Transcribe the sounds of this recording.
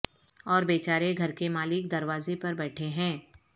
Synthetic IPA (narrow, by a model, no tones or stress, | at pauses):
ɔːɾbeːt͡ʃaːɾeɡʱɐɾkemaːlɪk̚d̪ɐɾʋaːzepɐɾbɛːʈʰeɦɛ̃ː